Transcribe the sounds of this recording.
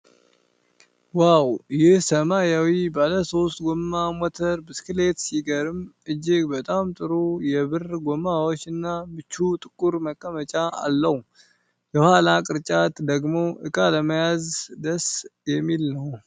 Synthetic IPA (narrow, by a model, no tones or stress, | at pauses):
wawjɪhsəmajawibaləso̞st̪ɡomːamɔt̪ʰəɾbɨskɨle̞t̪siɡəɾɨm | ɨd͡ʒːɪɡbət̪ʼamt̪ʼɨɾujɛβɨrɡomawot͡ʃːɨnːamɨt͡ʃːut̪ʼɨkʼːuɾməkʼːəmət͡ʃʼaa̰lːəh | jɛhwalakʼɨɾt͡ʃʼat̪d̪əɡmo̞ʔɨkʼaləməjazd̪əsjɛmːilnəw